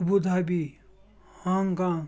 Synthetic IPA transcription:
bud̪ʱabi | hãŋkã

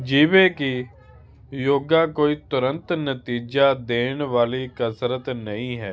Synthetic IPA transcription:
d͡ʒiːʋeki | joːɡakoːit̪ʊɾə̃nt̪nət̪iːd͡ʒad̪eːnʋaːlikəsɾət̪nɐɦĩɦɛː

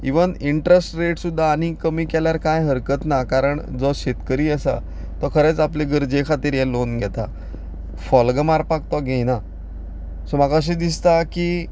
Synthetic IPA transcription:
iʋəniɳʈɾesʈɾeʈsud̪ʱːaːnikəmiːkɛljaɾkajɦəɾkət̪nakaɾəɳd͡zɔɕet̪kəɾiːəsa̰ | t̪ɔkʰəɾɛt͡sapleɡəɾd͡ʑekʰat̪iːɾjɛlonɡʱɛt̪a̰ | fɔlɡəmaɾpak̚t̪ɔɡʱejna | sɔmakəɕ̬id̪ist̪aki

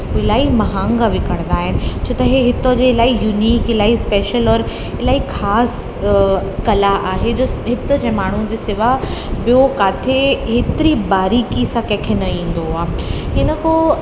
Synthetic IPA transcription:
ɪlaːimɐɦãːŋɡaʋɪkəɽ̃nd̪aːɦɪnɪ̆t͡ɕʰoːt̪ɐɦeɦɪt̪od͡ʑelaːijuːniːkɪlaːispeːʃəlɔːɾ | ɪlaːikʰaːs | kɐlaʔaːɦed͡ʑɐɦɪt̪ə̆d͡ʑẽːmaːɳ̤ũd͡ʑesɪʋabijokaːt̪ʰeɦet̪ɪɾibaːɾiːkisãkẽːkʰenɐĩːn̆d̪oɦʊaːhɪnəko

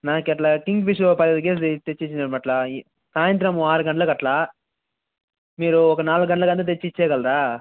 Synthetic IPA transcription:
naːkɛʈlaːkiŋɡpiʂupɐɾɐd̪ɐk̬eːs̬it̪et͡ʃːit͡ʃːinɐʈimɐʈla | saːjɐnt̪ɾɐmuaːɾuɡɐɳʈɐlɐkɐʈlaː | miːɾuɔkɐnaːluɡɐɳʈɐlɐkɐnt̪ɐt̪̬et͡ʃːit͡ʃːɛːɡɐlɾaː

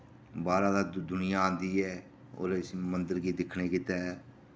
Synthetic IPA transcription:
baːɾaːd̪aːd̪ʊnɪjaːãːnd̪iːɛː | o̰ːɾsmənd̪əɾɡiːd̪ɪkʰɳeːkɪt̪aːɛː

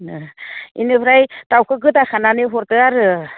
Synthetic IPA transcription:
ḭnɯbɾajtawkʰɯɡɯdakʰananeɦɔɾtɯaɾɯ

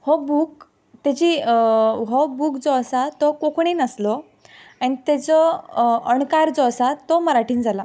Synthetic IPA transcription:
hɔbuːk | t̪ed͡ʑi | ɦobuːkd͡zɔəsat̪ɔkokɳ̃iːnəslɔ | anit̪et͡sɔəɳkaɾd͡zɔəsat̪ɔməɾaʈiːnd͡zʱala

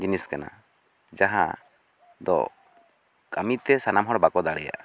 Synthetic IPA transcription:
d͡ʒiniskana̰ | d͡ʒaɦa̰ | d̪ɔ̰ | kamit̪ɛsanamɦɔɽbakɔd̪aɽɛja̰ʔa

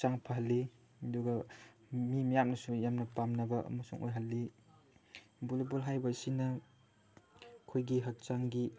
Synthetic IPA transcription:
t͡ʃaŋpʰɐɦɐlːi | duɡɐ | mimijam̚nɐsujamnɐpamnɐbɐʔɐ̰mɐsṵŋʔo̰jɦɐlːi | bulebulɦajbɐsinɐ | kʰojɡiɦɐk̚t͡ʃaŋɡi

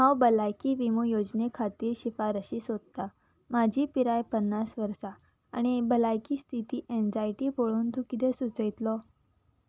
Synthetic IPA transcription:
ɦawbəlajkiːʋimujod͡ʑnekʰat̪iːɾɕifaɾəɕiːsɦod̪̚t̪a | mad͡ʑʱiːpiɾajpənːasʋəɾsa̰ː | ɽ̃ibəlajkiːst̪ʰit̪iːʔend͡zajʈiːpoɭuːnt̪ukid̪esut͡səjt̪lɔ

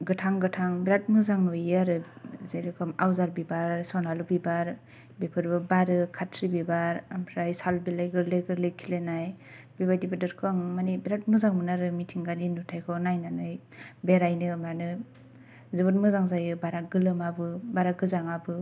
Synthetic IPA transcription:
ɡɯtʰaŋɡɯtʰaŋbiɾat̚mɯzaŋɯjaɾɯzejɾɯkʰɔmawzaɾbibaɾɾsɔnalubibaɾ | bepʰɯɾbɯbaɾɯkʰatʰɾibibaɾampʰɾajsalbilajɡɯɾlɯɡɯɾlɯjkʰilenaj | bebajdibɯdɯɾkʰɯaŋmanibiɾat̚mɯzaŋmɯnaɾɯmitʰiŋɡaninutʰajkʰɔnajnanɯj | beɾajnɯmanɯ | zɯbɯnmɯzaŋzajɯbaɾaɡɯlɯmabɯbaɾaɡɯzaŋabɯ

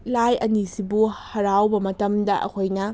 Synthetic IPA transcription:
lajɐnisibuhɐɾawbɐmɐtɐmdɐʔɐ̰kʰojnɐ

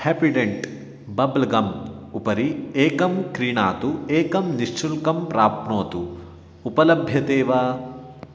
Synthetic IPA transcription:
hepiɖeɳʈ | bɐblɐɡɐmupɐɾieːkɐmkɾiːɳaːt̪ueːkɐmniʂt͡ʃulkɐmpɾaːpɳoːt̪u | upɐlɐbʱjɐt̪eːʋaː

